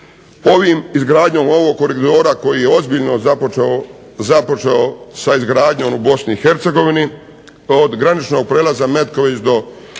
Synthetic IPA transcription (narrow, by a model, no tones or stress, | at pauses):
o̞ʋimizɡɾaːd̪ɲo̞ːmo̞ʋo̞ɡ̚koɾikt̪o̞ːɾakojije̞o̞zbiʎnozapoeo | zapo̞t͡ʃeosaizɡɾaːd̪ɲo̞ːmubo̞sniːxe̞ɾt̪se̞ɡo̞ʋini | od̪ɡɾanit͡ʃno̞ɡ̚pɾeːlazame̞t̪ko̞ʋit͡ɕd̪o̞